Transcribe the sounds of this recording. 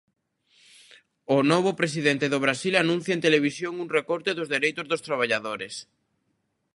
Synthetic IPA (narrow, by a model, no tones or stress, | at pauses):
ʊnɔβ̞ʊpɾesiðent̪eðoβɾasilanũn̟θjɐent̪eleβ̞isjoŋuŋrekɔɾt̪eðʊzðeɾejt̪ʊzðʊst̪ɾaβaʎaðoɾes